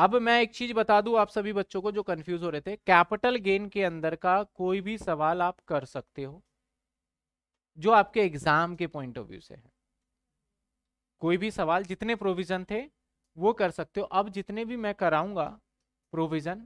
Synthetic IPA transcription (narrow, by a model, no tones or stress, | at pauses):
ɐbmɛ̃ːeːk̚t͡ʃiːzbɐt̪aːd̪ũaːpsɐbʱibɐtːʃõkod͡ʒoːkɐnfjuːzɦoːɾɐɦet̪ʰeɛkɛːpɪʈəlɡeːnkeɐ̃nd̪əɾkakoːibʱisɐʋaːlaːpkɐɾsɐk̚t̪eɦoː | d͡ʒoːaːp̚keɪɡzaːmkepɔːɪ̃ɳʈɔ̰ːʋjṵːsḛɦɛ̰̃ː | koːibʱisɐʋaːld͡ʒɪt̪nepɾoːʋɪd͡ʒənt̪ʰe | ʋokɐɾsɐk̚t̪eɦõʔɐbd͡ʒɪt̪nebʱimɛ̃ːkɐɾaːũːŋɡa̰ː | pɾoːʋɪd͡ʒən